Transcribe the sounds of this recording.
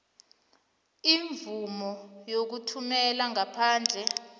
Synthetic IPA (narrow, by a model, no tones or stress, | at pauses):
iɱvumɔjok̬utʰumɛlaŋapʰaːnd͡ɮʱɛ